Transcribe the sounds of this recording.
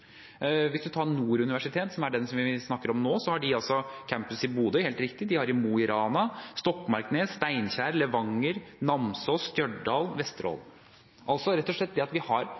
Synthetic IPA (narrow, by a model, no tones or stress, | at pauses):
ʋɪsd̪ʉt̪ʰɑːɾnuːɾʉnɪʋæʂɪt̪ʰeːt̪sɔmæɖɛnsɔmʋɪsnɑkːəɾɔmnoːsɔhɑɖɪɑlsɔkʰæmpəsɪbuːd̪əheːlt̪ɾɪkt̪ɪd̪ɪhɑɾɪmuːɪɾɑːnɑst̪ɔkːmɑɾkneːst̪æɪnçæːɾlɛʋɑŋːəɾnɑmsɔst̪jœɖɖɑːlʋɛst̪ɾo̰ːl | ʔɑlsɔɾɛt̪ːɔʂɭɛt̪̚ːd̪ɛɑt̪ʋɪhɑɾ